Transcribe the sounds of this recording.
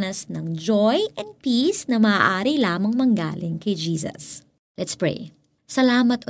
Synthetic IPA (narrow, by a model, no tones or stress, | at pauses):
nɐsnɐŋd͡ʒojʔɐn̚piːsnɐmɐʔaːɾilaːmɐŋmɐŋɡa̰ːlɪŋkɐjd͡ʒiːsɐ̰s | lɛt̪spɹḛj | sɐlaːmɐt̪o